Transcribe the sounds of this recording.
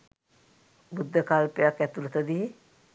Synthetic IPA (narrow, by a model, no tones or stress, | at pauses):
bud̪ʱːəkalpejakːæt̪ulət̪əd̪ie